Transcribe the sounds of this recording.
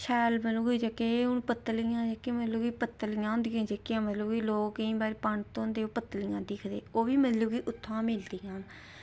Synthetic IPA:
ʃʰɛːlməlũːɦoiːd͡ʒəkːeːʊnpət̪ːəlijãːd͡ʒəkːeːmət̪ləbɡiːpət̪ːəlijãːʊ̃nd̪ijãːd͡ʒəkːɪjãːmət̪ləbɡiːloːkːĩːbaːɾeːpəɳt̪õːnd̪eːoːpət̪ːəlijãːd̪ɪkʰd̪eːoːʋiːmət̪ləbɡiːʔʊt̪ʰːãːmɪld̪iːãːn

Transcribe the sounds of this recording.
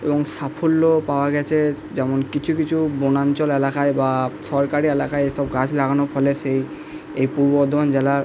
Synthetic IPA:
eboŋsapʰolːopaoaɡɛt͡ɕʰe | d͡ʑɛmonkit͡ɕʰukit͡ɕʰubonant͡ɕolelakaebaʃɔɾkaɾielakaeeʃɔbɡat͡ɕʰlaɡanofʰɔlesej | ejpuɾbod̪ʱand͡ʑɛlaɾ

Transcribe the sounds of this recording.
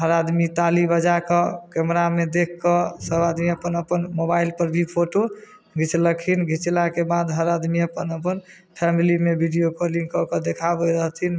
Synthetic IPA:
ɦəɾad̪mit̪alibəd͡ʒakɔkɛmɾamed̪ekʰkːɔsəbad̪miəpənəpənmobailpəɾbʱipʰoʈo | ɡʱit͡ʃləkʰinɡʱit͡ʃlakebad̪ɦəɾad̪miəpənəpən | pʰɛmilimebʱiɖijokoliŋɡkɔkɔd̪ekʰabəɾəɦt̪ʰin

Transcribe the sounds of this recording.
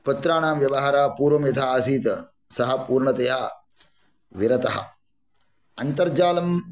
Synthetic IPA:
pɐt̪ɾaːɳaːmʋjɐʋɐɦaːɾaːpuːɾʋɐmjɐt̪ʰaaːsiːt̪ɐ | sɐɦɐpuːɾɳɐt̪ejɦɐ | ʋiɾɐt̪ɐɦɐ̰ | ɐnt̪ɐɾd͡ʒaːlɐm

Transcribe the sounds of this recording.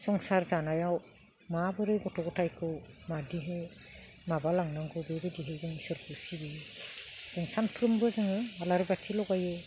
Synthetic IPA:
z̥ɔŋsaɾzanajaw | mabɯɾɯɡɔtʰɔɡɔtʰajkʰɯw | madiɦɯ | mabalaŋnaŋɡʰɯbebɯdiɦɯzɯŋisɔɾpʰusibi | z̥ɯŋsanpʰɾɯmbɯzɯŋɯalaɾbatʰilɔɡajɯ

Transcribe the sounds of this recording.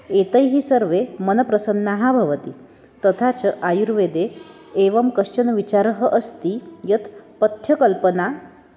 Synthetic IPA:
et̪əjɦiːsəɾʋemənəpɾəsənːaɦabʱəʋət̪i | t̪ət̪ʰat͡səʔajuɾʋed̪eː | ʋəmkəʂt͡ʃənʋit͡ɕaɾɦəʔəst̪ijət̪ʰpət̪ʰjəkəlpəna

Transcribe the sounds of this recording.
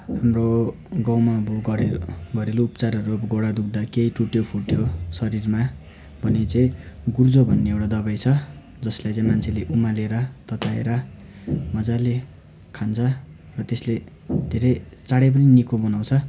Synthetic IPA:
ɦamro | ɡãw̃mabuɡʌɾeɡʱʌɾeluupʌt͡saɾʌɾuɡoɽad̪uk̚d̪akeiʈuʈjopʰuʈjosʌɾirma | bʱʌnet͡saĩɡurd͡zobʱʌnːeewʈad̪ʌβajt͡sʰʌ | d͡zʌslajt͡sãĩmant͡sʰeleʔumaleɾʌt̪ʌt̪aḛɾʌ | mʌd͡zale | kʰant͡sʰʌ | rʌt̪esle | d̪ʱeɾʌjt͡saɽep̬ʌninikobʌnaw̃t͡sʰʌ

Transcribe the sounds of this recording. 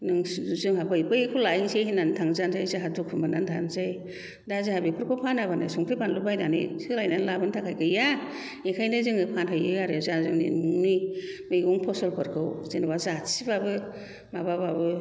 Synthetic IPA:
nɯŋzɯŋɦabɯjbɯjkʰɯlajŋsejhinantʰaŋzanzajzaɦadukʰumbanantʰa̰nzaj | dazahabipʰɯɾkʰɔpʰanabanɯsɔŋtʰɯbanlubajnanḭsɯlajnanlabɯntʰakʰajkʰɯja | ekʰajnɯzɯŋɯpʰanɦajɯjaɾɯzazɯŋnḭnŋnimɯjɡuŋpʰɔsɔlpʰɯɾkʰɯwzinwazasibabɯ | mabababɯ

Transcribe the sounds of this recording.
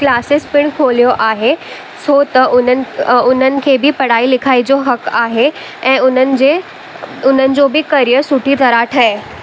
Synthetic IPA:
klaːsɪspɪɽ̃kʰoːlijoʔaːɦe | sʰot̪ɐʔʊnəʊn̤ənɪ̆kʰeːbɪpɐɽ̤aːilɪkʰaːid͡ʑoɦɐkaːɦe | ɛ̃ːʊnənɪ̆d͡ʑeː | ʊn̤ənɪ̆d͡ʑoːbɪkɐɾijəɾsʊʈʰit̪ɐɾaːʈʰɐe

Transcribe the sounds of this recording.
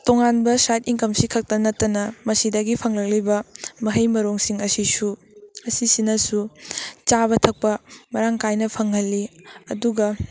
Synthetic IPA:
toŋanbɐsatiŋkɐmsikʰɐk̚tɐnɐtːɐnɐmɐsidɐɡipʰɐŋlɐk̚libɐmɐɦɐjmɐɾoŋsiŋɐsisu | ɐsisinɐsut͡ʃaβɐtʰɐk̚pɐmɐɾaŋkajnɐpʰɐŋɦɐlːiɐduɡɐ

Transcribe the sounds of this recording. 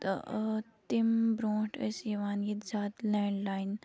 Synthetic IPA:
t̪ɪmbɾõːʈə̰siʋaːnjit̪zaːt̪lɛːɳɖlaːɪn

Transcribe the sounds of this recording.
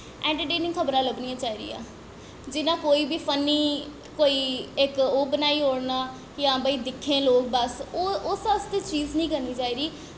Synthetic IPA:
ɛ̃ːɳʈəɾʈeːnɪ̃ŋkʰəbɾãːləbnijãːt͡ʃaːiːɾḭːã̰ː | d͡ʒɪnãːkoːiːbiːpʰənːiː | koːiːɪkoːbənaːiːɦoːɽnaː | jãːbəiːd̪ɪkʰːẽːloːk̚bəsoʊsəsd̪iːt͡ʃiːznəĩːkəɾniːt͡ʃaːiːɾiː

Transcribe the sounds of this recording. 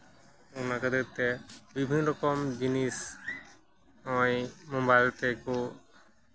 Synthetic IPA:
unakəd̪eɾt̪ɛbibʱinːɔɾɔkɔmd͡ʒinis | ɔjmobajlt̪ɛko

